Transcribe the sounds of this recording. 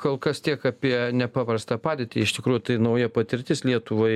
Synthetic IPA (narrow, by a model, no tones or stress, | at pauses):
koːlˠkɐst̪ʲiɛkɑːpʲiɛnʲɛpɑːpɾɐst̪ɑːpɑːd̪ʲeːt̪ʲḭɪʃt̪ʲɪkɾuːjʊt̪ɐɪnɐʊjɛpɐt̪ʲɪɾʲt̪ʲɪslʲiɛt̪ʊʋoːɪ